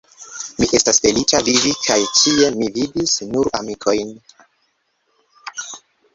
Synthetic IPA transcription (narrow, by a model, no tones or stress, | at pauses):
miʔe̞stasfe̞lit͡ʃavivikʰajtie̞mividisnuɾa̰mikʰo̞jn